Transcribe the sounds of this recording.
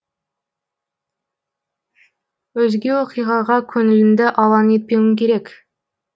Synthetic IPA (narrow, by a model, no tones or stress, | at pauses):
wɵzɡʲewoqijʁɑʁɑkʲʰɵŋɪ̆lɪnd̪ɪʔɑlˠɑnet̪̚pewɪŋkʲʰeɾek